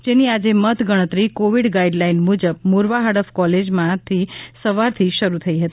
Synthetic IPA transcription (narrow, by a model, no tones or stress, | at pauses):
d͡ʒeniad͡ʒemət̪ʰɡəɽ̃ət̪ɾikoʋiɖɡaiɖlainmud͡ʒəb̚muɾʋaɦaɽəfkɔled͡ʒmãt̪ʰisəʋaɾt̪ʰiʃəɾut̪ʰəiɦət̪i